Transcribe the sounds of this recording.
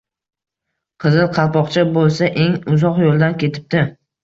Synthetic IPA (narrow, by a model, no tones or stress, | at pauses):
qʰɨzɪlˠqʰɑlˠpɒqt͡ʃʰabolˠsaʔe̞ŋʊzɒqjolˠd̪ankʲe̞t̪ʰɪ̥p̚t̪ɪ